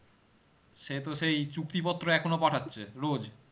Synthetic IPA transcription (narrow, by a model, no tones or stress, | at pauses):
ʃet̪oʃejt͡ɕuk̚t̪ipɔt̪ːɾoɛkʰonopaʈʰatːɕʰeɾod͡ʑ